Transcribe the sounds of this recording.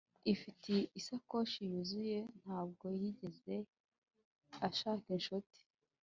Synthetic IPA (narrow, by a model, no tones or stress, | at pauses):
ifitʰiisakoʃijuzujen̥haːb̚ɡo̞jiɟe̞ze̞ | aʃaːkenʃoti̥